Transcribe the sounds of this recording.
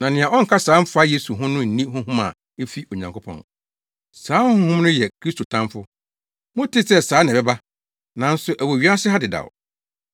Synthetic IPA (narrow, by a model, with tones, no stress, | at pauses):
nã˨nɪ̃˨ã˨ʔɔ˦ŋ̩˨kʰa˦saː˨˦m̩˦fa˦je˦su˨ɦʊ̃˦nʊ̃˦n̩˨nĩ˦hʊ̃˦ɦũ˦ma̰˨ | e˦fi˦ʔo˨ɲã˨ŋkʰo˦pʰɔ̰̃˨n | saː˨˦ʊ̃˦hʊ̃˦hũ˦m˦nʊ̃˦jɛ˨kʰɾi˦stʰo˨tʰã˦mfʊ˦ | mʊ̃˦tʰɪ˦sɛ˦saː˨˦nã˨bɛ˦ba˦ | nã˨˦n̩˦sʊ˦ʔæ˨wo˨ɥi˦a˦sɪ˦ɦa˦dɪ˨da̰˨w